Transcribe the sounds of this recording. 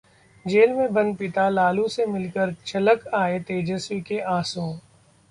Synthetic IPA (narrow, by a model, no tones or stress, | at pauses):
d͡ʒeːlmẽbɐnpɪt̪alaːlusemɪlkəɾt͡ʃʰɐləkaːet̪eːd͡ʒəswikeʔaːsõː